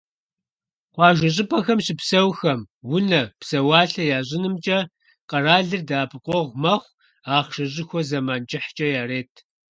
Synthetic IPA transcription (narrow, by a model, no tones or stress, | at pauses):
qʷɑːʒɐɕ̬ʼɪpʰʼɐxɐmɕɪpsɐwxɐm | wʊnɐpsɐwɑːɬɐjaːʑʼɪnɨmt͡ʃʼɐ | qɐraːɮɨrdaːpʰɨqʷʼɔʁʷmɐχʷ | aːχʃɐɕ̬ʼɪxʷɔzɐmaːnt͡ʃʼɪħt͡ʃʼɐjaːreːtʰ